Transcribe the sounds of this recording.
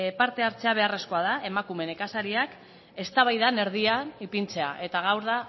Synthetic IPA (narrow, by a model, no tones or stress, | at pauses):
paɾt̪e̞aɾt͡se̞aβ̞e̞are̞sko̞að̞ae̞makume̞ne̞kasaɾiak | e̞st̪aβajðane̞ɾð̞iaipint͡se̞a̰ʔe̞t̪aɣ̞awɾða